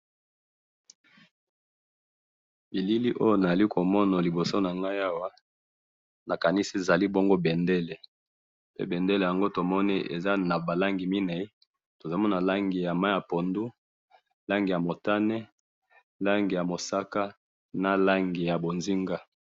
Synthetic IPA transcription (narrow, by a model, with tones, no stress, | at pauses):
bi˨li˦li˦ʔo˦jo˦na˨a˨li˦ko˨mɔ˦na˨li˨bo˨so˦na˨ŋɡa˦ja˦wa˦ | na˨ka˨ni˦si˦e˨za˨li˦bo˦ŋɡo˦bɛ˨nde˦le˨ | pḛ˦bɛ˨nde˦le˨ja˨ŋɡo˦to˨mɔ˦ni˦ʔḛ˨za˦na˨ba˨la˦ŋɡi˨mi˦nɛ˨i˦ | to˨za˨˦mɔ˦na˨la˦ŋɡi˨ja˨ma˦ja˨po˨ndu˦ | la˦ŋɡi˨ja˨mo˨ta˦nɛ˦ | la˦ŋɡi˨ja˨mo˨sa˦ka˦ | na˨la˦ŋɡi˨ja˨bo˨nzi˦ŋɡa˦